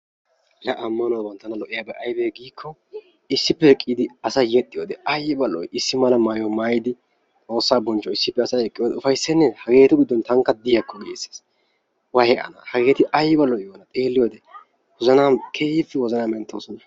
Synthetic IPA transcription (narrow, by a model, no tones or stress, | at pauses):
lɛʔɐmːɐnɔwbɐnt̪ːɐnɐlɔʔɪjabɛʔɐjbɛɡiːkʰːɔ | ɪsːɪpːɛɛkʼːid̪ɪɐsɐjɛt̪ʼːɪjod̪ɛʔɐjbɐlːɔ̰jɪsːɪmɐlɐmaːjɔmaːjɪd̪ɪ | t͡sʼo̞ːsːaːbɔnt͡ʃːɔɪsːɪpːɛɐsɐɛkʼːɪjod̪ɛʊfɐjsːɛnːɛhɐɡe̞ːt̪ʊɡɪd̪ːɔnt̪ɐŋkːɐd̪ɪjɐkʰːɔɡɪesːe̥ːs | wɐhɛʔɐ̰nɐhɐɡe̞ːt̪ɪʔɐjbɐlːɔjjoːnɐt̪ʼe̞ːlːɪjod̪ɛ | wɔzɐnaːkʰeːjɪfːɛwɔzɐnaːmɛnt̪ːo̰sɔnɐ